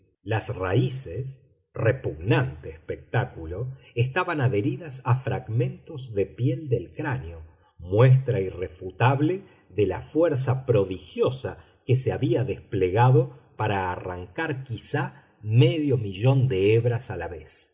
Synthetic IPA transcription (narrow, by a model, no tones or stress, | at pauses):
lasraises | repuɣnant̪eːspek̚t̪akulo̞est̪aβanaðe̞ɾiðasafɾaɣmẽ̞nt̪o̞zðepjeld̪elkɾanjo | mwes̬t̪ɾairefut̪aβle | ðelafweɾs̬apɾo̞ðixjo̞sa | keseaβiaðespleɣaðopaɾaːra̰ŋkaɾkisa | meðjo̞miʒo̞nd̪eeβɾasalaβes